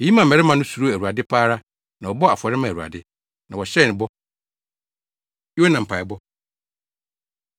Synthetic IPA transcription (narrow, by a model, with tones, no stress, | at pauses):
e˨ji˦mã˨m̩˨ɛ˨ɾɛ˦mã˨nʊ̃˦su˨ɾo˦æ˨ɾu˨a˨dɪ˦pʰaː˦ɾa˦ | nã˨wɔ˨bɔ˦a˨fɔ˨ɾɪ˦mã˨ɾu˨a̰˨dɪ˦ | nã˨wɔ˨ɕɛ˦˨nɪ̃˨bɔ˦ | ɪ˦wɔ˦nã˨m̩˨pʰa˨ɪ˨bɔ˦